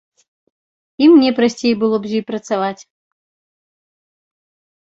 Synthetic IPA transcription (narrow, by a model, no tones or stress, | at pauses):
imnʲɛpɾasʲt͡sʲejbɨlˠɔbzʲipɾɐt̪savat͡sʲ